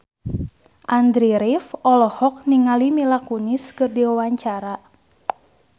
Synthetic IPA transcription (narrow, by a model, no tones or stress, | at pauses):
ʔandɾiɾifɔlɔhɔk̚niŋalimilakuniskɨrdiwawaɲt͡ʃaɾa